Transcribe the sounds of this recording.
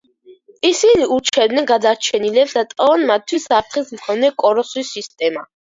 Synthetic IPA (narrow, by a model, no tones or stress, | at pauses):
isiniuɾt͡ʃʰɛd̪nɛnɡad̪aɾt͡ʃʰɛnilɛpsd̪at̪ʼɔvanmat̪ʰːwisap̚ʰt̪χismkʰɔnɛkʼɔɾɔswisːist̪ʼɛma